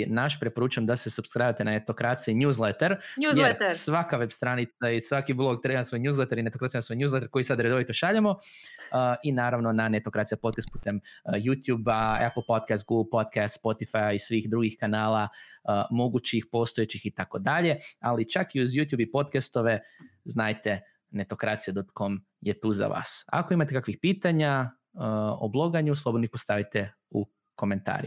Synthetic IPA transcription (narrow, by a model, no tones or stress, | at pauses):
naʃpɾe̞po̞ɾuːt͡ʃuemd̪ase̞subskɾajʋat̪enanet̪o̞kɾat̪sijinjuːzlˠet̪eɾujesʋakaʋebst̪ɾanit̪saisʋakiblˠo̞ɡ̚t̪ɾebasʋojɲuːzlet̪eɾinet̪okɾat̪ijenaso̞jɲʲuːzlet̪eɾko̞jisad̪ɾed̪o̞ʋit̪oʃaʎamo̞əinaːɾaʋno̞nanet̪okɾat̪sijapo̞t̪kast̪̚pu̥ːt̪e̞mjut̪juːbaa̰pl̩ˠpot̪̚kast̪ɡuɡl̩ˠpo̞t̪kast̪spo̞t̪ifajaisʋiːxd̪ɾuɡixkanaːlˠamo̞ɡut͡ɕixpo̞ːst̪oet͡ɕixit̪ako̞d̪aʎe̞alit͡ʃakiuzjuːt̪juːbipo̞t̪kast̪o̞ʋe̞znaːjt̪e̞ | ne̞t̪o̞kɾat̪sijed̪ot̪̚kom | jet̪uːza̰ʋa̰ːsa̰ko̞imat̪ekakʋixpiːt̪aɲa | əo̰blˠo̞ɡaɲuslˠobd̪noipost̪aʋit̪e | u | ko̞me̞nt̪a̰ːɾi